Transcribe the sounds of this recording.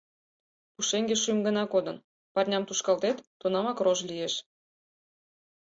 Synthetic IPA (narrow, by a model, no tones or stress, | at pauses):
puʃeŋɡʲeʃymɡə̆nɑkod̪ɤ̆n | pɑrnʲɑmt̪uʃkɑlt̪et̪ːonɑmɑkroʒlʲijeʃ